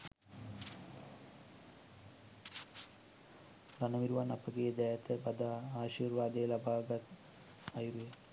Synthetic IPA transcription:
ɾanəʋiɾuʋanapəɡeːd̪ɛjat̪əbad̪aːaːʃiːrʋaːd̪ejlabaːɡat̪ | ɐjuɾuje

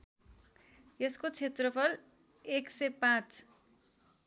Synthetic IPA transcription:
jʌskot͡sʰet̪rʌpʰʌl | eksʌjpãt͡s

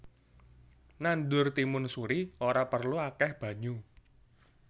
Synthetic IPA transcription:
nandʊrt̪imʊnsuɾioɾapərluakɛhb̥ä̤ɲu

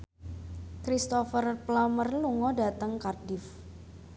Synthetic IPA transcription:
kɾist̪ɔfərplamərluŋɔda̤t̪əŋkardɪf

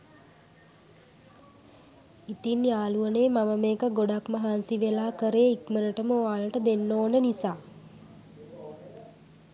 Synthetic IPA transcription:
it̪injaːluəneːmaməmeːkəɡoɖakməɦansiʋelaːkəɾeːikmənəʈəməaːləʈəd̪enːoːnənisaː

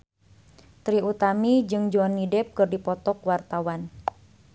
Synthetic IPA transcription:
t̪ɾiut̪amid͡ʒɨŋd͡ʒoɔnːidɛp̚kɨrdipɔt̪ɔkwart̪awan

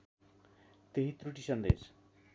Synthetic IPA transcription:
t̪eɦit̪ːɾuʈiʃand̪ḛɾ

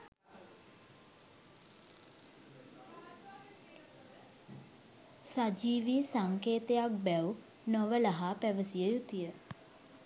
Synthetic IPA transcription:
sad͡ʒiːʋiːsaŋkeːt̪əjak̚bɛw | noʋəlaɦaːpæʋəsijəjut̪ijə

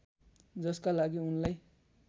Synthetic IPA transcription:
d͡zʌskalaɡiunlaj

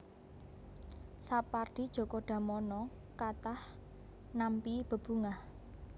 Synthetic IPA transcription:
sapard̥i̤d̥ʒ̥ɔ̤kɔɖ̥a̤mɔnɔ | kat̪ah | nampib̥ə̤b̥ṳŋah

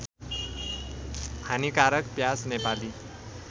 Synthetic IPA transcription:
hʰanikaɾʌkpjasnepali

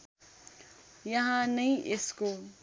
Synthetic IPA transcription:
jɐɦãnəĩʔesko

